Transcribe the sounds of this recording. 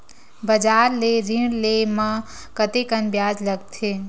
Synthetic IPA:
bəd͡ʒaːɾleɾɪɽlemã | kət̪ekənbjaːd͡ʒləɡt̪ʰe

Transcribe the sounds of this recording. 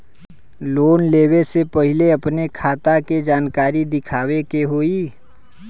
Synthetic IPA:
loːnleːwesepɐɦɪleɐpnekʰaːt̪aked͡ʒaːnkaːɾid̪ɪkʰaːwekeɦoːiː

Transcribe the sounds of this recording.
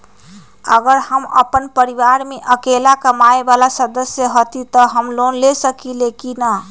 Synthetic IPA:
əɡəɾhəmə̰pənpəɾiʋaɾmeʔəkelakəmaebalasəd̪əsjəɦot̪it̪əɦəmlonlesəkilekinə

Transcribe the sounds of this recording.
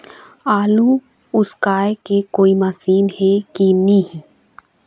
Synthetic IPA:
aːlũ | ʊskaːekekoːimasiːnɦɛkinɐɦĩ

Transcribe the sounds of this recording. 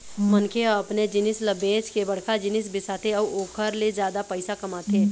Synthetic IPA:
mənkʰeɐpned͡ʒɪnɪsləbẽːt͡ʃkebɐɽ̤kʰad͡ʒɪnɪsbɪsaːt̪eɔoːkʰəɾlezjaːd̪apəɪsakɐmaːt̪ʰeː

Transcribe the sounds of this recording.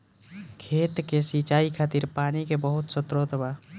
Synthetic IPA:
kʰeːt̪kesit͡ʃaːikʰaːt̪iɾpaːnikebəɦʊt̪sət̪ɾot̪ba

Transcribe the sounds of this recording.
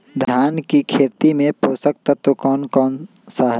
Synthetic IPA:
d̪ʱjaːnkikʰeːt̪imẽpoːsək̚t̪at̪okɔːnkɔːn | saːɦ

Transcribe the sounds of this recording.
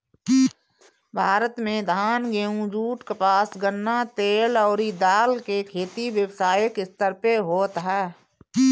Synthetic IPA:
bʱaːɾət̪mẽd̪ʱaːnɡeːũd͡ʒuːʈkepaːsɡənnat̪eːlɔːɾid̪aːlkekʰeːt̪iʋjəwsaːjəkɪst̪əɾpeɦoːt̪ɦɛː

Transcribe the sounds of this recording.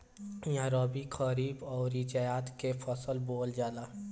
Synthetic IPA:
jãɾɔːbikʰəɾiːbɔːɾit͡ʃajaːt̪kefʰɔsəlboːld͡ʒaːlaː

